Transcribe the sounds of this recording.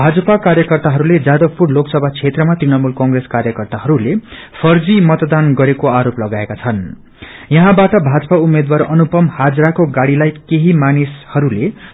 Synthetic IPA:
bʱad͡zʌpakaɾjʌkʌrt̪aɦʌɾuled͡zad̪ʌɡ̚purloksʌbʱat͡sʰet̪rʌmat̪rinʌmulkʌŋɡreskaɾjʌkʌrt̪aɦʌɾulepʰʌrd͡zimʌt̪d̪anɡʌɾekoaɾoplʌɡaekat͡sʰʌn | jʌɦãbaʈʌbʱad͡zʌpaumed̪warʌnupʌmhad͡zɾakoɡaɽilajkeɦimanishʌɾule

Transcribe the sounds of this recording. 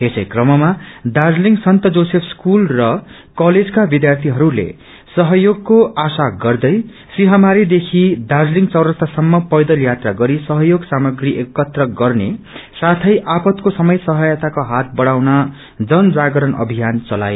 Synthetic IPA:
ɦesʌjkrʌmʌmad̪ad͡zliŋɡsʌnt̪ʌd͡zosepʰskulrʌ | kʌled͡zkabid̪jart̪ʰiɦʌɾulḛ | sʌɦʌjoɡ̚koasaɡʌrd̪ʌj | siɦamaɾid̪ekʰid̪ad͡zliŋɡt͡sʌwɾʌst̪ʰasʌmːʌpʌjd̪ʌljat̪raɡʌɾisʌɦʌjoɡsamʌɡriʔekːʌt̪rʌɡʌrne | sat̪ʰʌjʔapʌt̪kosʌmʌjsʌɦʌjʌt̪akoɦat̪̚bʌɽawnʌ | d͡zʌnd͡zaɡʌɾʌnʌ̰bʱijant͡sʌla̰je

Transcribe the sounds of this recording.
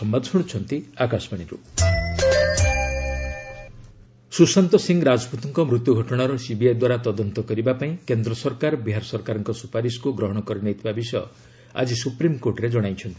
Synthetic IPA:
ɔmbad̪ʱsuɽ̃t͡ʃʰɔnt̪iakasbaɽ̃iɾṵ | susant̪ɔsiŋɡɾad͡ʒɔput̪iŋkɔmɾut̪juɡʱɔʈɔɽ̃aɾɔsibiajd̪waɾat̪ɔd̪ɔnt̪ɔkɔɾibapaĩkend̪ɾɔsɔɾkaɾbiɦaɾɔsɔɾkaɾɔŋkɔsupaɾisɔ̥kuɡɾɔɦɔɽ̃ɔkɔɾɔnet̪ʰibabisɔjɔ | a̰d͡ʒisupɾimkoɾʈɔɾed͡ʒɔɽ̃ajt͡ʃʰɔnt̪ii̥

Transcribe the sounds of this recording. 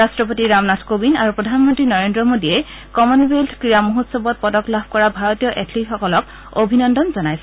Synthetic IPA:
astɹɔp̬otiɹamnatʰkobinaɹupɹɔdʱanmɔntɹinɔɹendɹɔmodiɛ | kɔmɔnbʱeltʰkɹijamuɦutsɔbɔt̚pɔdɔklab̚ʱkɔɹabʱaɹɔtijɔʔetʰlixɔkɔlɔk | obʱinɔndɔnzɔnajsɛ

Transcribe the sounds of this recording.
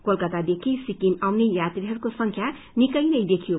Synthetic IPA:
kolkʌt̪ad̪ekʰisikimawnejat̪ɾiɦʌɾkosʌŋkʰja | nikʌjnʌjd̪ekʰijo

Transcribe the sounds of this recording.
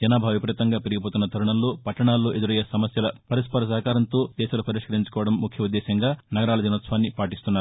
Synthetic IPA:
d͡ʒɐnaːbʱaːʋipɐɾit̪ːɐŋɡaːpeɾiɡipoːt̪unːɐt̪ʰɐɾuɳɐmlo̞ːpɐʈːɐɳaːlːo̞ːʔed̪uɾɐjesɐmɐsjɐlɐpɐɾispɐɾɐs̬ɐɦɐkaːɾɐnt̪o̞ːd̪̥ɛːʃɐlupɐɾiʂkɐɾiɲt͡ʃu̥kɔːʋɐɽɐmːukʰjɐud̪ːɛːsɐŋɡaːnɐɡɐɾaːlɐd͡ʒɐnɐt̪sʋaːnːipaːʈ̬ist̪unːaːɾuu

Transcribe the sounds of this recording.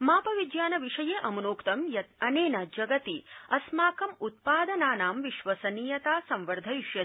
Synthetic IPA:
maːpɐʋid̪jaːnɐʋiʂɐjeːʔɐmɐnoːkt̪ɐmjɐɐneːnɐd͡ʒɐɡɐt̪iɐsmaːkɐmut̪̚paːd̪ɐnaːnaːmʋiʃʋɐsɐniːjɐt̪aːsɐ̃mʋɐɾd̪ʱɐiʃjɐ

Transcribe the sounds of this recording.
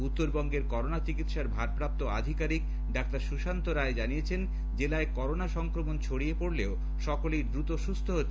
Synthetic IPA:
ut̪ːoɾbɔŋɡeɾkɔɾonat͡ɕikit̪ʃaɾbʱaɾpɾap̚t̪oa̰d̪ʱikaɾik | ɖak̚t̪aɾʃuʃant̪oɾaed͡ʑanijet͡ɕʰen | d͡ʑelaekɔɾonaʃɔŋkɾomont͡ɕʰoɽiepoɽleo | ʃɔkolid̪ɾut̪oʃust̪ʰoɦo

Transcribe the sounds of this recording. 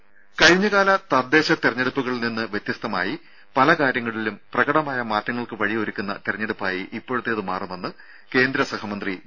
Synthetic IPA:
kɐɻɲːɐɣaːlɐt̪ɐd̪ːe̞ːɕɐt̪irɐɲːe̞ɽupːuɣɐɭninːɨʋjet̪jɐst̪ɐma̰ːji | pɐlɐkaːɾjɐŋːɐɭilumprɐɣɐɽɐmaːjɐmaːtːɐŋːɐɭkɨʋɐɻioɾukʲːunːɐ̰t̪irɐɲːeɽupːaːjiʔipːo̞ːɻut̪ːe̞ɐðɨmaːrumenːɨ | ke̞ːnd̪ɾɐsɐhɐmɐnd̪ri

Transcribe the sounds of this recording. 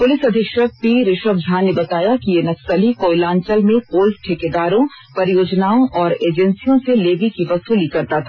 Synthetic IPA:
pʊlɪsɐd̪ʱɪkʃək̚piːɾɪʃəb̚d͡ʒʱaːnːebɐt̪aːjakijenɐksəlikoːɪlãːɲt͡ʃəlmẽpoːlʈʰɪkeːd̪aːɾõ | pɐɾijoːd͡ʒnaːõʔɔːɾeːd͡ʒɛ̃nsijõseleːɡikiʋɐsuːlikɐɾt̪at̪ʰa

